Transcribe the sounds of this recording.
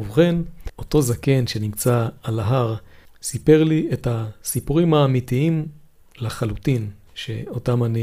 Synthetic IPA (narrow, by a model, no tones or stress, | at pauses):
uvχeno̞to̞zake̞nʃe̞nimt͡saːlaɦaʁsipe̞ʁliethasipuʁimhaːmitiim | leχalutin | ʃe̞̰o̞tamani